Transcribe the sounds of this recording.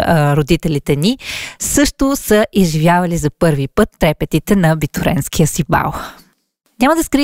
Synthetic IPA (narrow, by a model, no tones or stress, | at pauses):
ɾod̪it̪ɛlit̪ɛnisɤʃt̪ʊsəʔizʒivjavɐlizɐpɤɾvipɤt̪ːɾɛpɛt̪it̪ɛnɐbit̪uɾɛ̰nskʰijəsiba̰lˠ | nʲaməd̪ɐskɾi